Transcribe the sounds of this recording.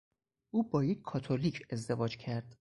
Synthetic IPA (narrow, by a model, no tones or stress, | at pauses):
ʔuːbɒːjecʰʲkʰːɒːt̪ʰolicʰe̞zd̪e̞vɒːd͡ʒcʰæɾd̪̥